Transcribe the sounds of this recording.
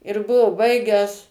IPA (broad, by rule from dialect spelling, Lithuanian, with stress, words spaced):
ɪr ˈbʊʋoː ˈbɐɪɡʲæːs